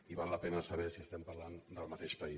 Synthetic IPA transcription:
iβalːəpɛnəsəβ̞ɛsiəst̪ɛmpəɾland̪əlˠmət̪eʃpəi

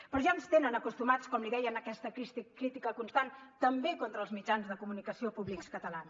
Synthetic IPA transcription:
pɾɔʒanst̪enənəkust̪umat͡skɔmliðɛjənəkɛst̪əkikɾit̪ikəkunst̪ant̪əmbekont̪ɾəlˠzmid͡ʒanzðəkumunikəsiopuβlikskət̪əlans

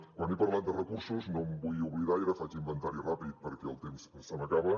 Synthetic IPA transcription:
wanipəɾland̪ərəkuɾsuznombujuβliðaiɾəfat͡ʃimbənt̪aɾirapit̪̚pəɾkɛəlˠt̪emssəməkaβə

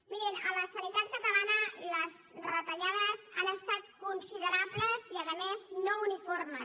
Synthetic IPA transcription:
miɾinələsənit̪at̪̚kət̪əlanələz | rət̪əʎaðəzanəst̪at̪̚kunsiðəɾabləziəðəmeznouniformə

